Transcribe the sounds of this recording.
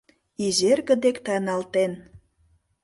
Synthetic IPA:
izerɣə̆d̪ekt̪ɑnɑlt̪en

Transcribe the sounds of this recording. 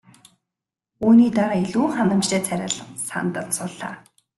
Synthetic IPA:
uːniːt̪æʁaːeɮuːχanə̆mt͡ɕt̪eːt͡sʰæɾʲə̆ɮsa̰nt̪ə̆nsʊɮa̰ː

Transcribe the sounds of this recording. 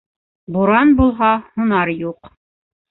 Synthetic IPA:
buɾɑnbulˠɦɑhŭnɑɾjuq

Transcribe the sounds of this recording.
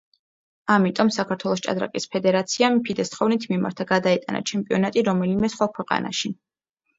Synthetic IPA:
amit̪ʼɔmsakʰaɾt̪ʰwɛlˠɔst͡ʃʼa̰d̪ɾa̰kʼispʰɛd̪ɛɾat̪sʰiampʰid̪ɛst̪ʰχɔvnit̪ʰmima̰ɾt̪ʰaɡad̪aɛt̪ʼa̰na̰t͡ʃʰɛmpʼiɔnat̪ʼiɾɔmɛlimɛsχwakʰwɛqʼa̰na̰ʃi

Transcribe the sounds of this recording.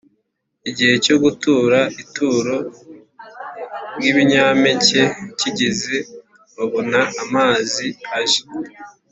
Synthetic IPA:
iɟihe̞co̞ɡutuːɾaituːɾo̞ | ɾɡiβiɲaːmece̞ciɟeze | oβonaːmaːziaʒe̥

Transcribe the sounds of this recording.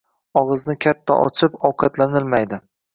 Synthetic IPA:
ɒʁɨznɪkʲʰat̪ʰːa̰ʔɒ̰t͡ʃʰɪpɒwqʰɑt̪lanɪlmajd̪ɪ

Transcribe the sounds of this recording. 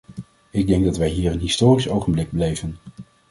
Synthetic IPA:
ɪɡ̚dɛŋɡ̚dɑtʋɛjɦiːrənɦɪstoːrisowχənblɪɡ̚blɛjvən

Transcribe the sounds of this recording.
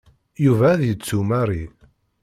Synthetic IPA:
juvæðjət͡sːumaɾˤi

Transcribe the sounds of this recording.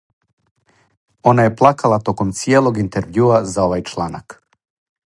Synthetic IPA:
o̞naje̞plˠakalˠat̪o̞ko̞mt̪sijeːlˠo̞ɡint̪eɾʋjuazao̞ʋajt͡ʃlˠana̰k

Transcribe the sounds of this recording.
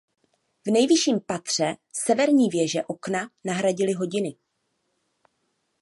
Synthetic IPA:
vnɛjvɪʃiːmpat̪r̝̥ɛsɛvɛɾɲiːvjɛʒɛʔo̞knanaɦɾaɟɪlɪɦo̞ɟɪnɪ

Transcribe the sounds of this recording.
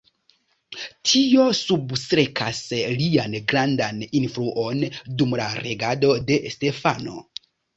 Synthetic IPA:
tʰio̞substɾe̞kʰaslianɡɾandaninfɾuʔo̞ndumlaɾe̞ɡado̞de̞ste̞fano̞̰

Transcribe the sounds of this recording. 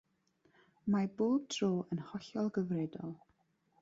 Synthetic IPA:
maboːb̚dʰroːʔənhɔɬɔlˠɡəvrɛdɔ̰lˠ

